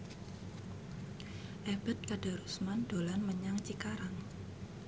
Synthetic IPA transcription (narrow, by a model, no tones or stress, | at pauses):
ʔɛb̥ɛ̤t̪̚kad̥a̤ɾusmand̪̥olanməɲaŋt͡ʃikaɾaŋ